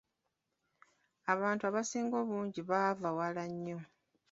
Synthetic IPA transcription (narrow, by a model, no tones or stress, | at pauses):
aβaːntuaβasiːŋɡo̞ːβuːɲɟiβavawalaɲːo̞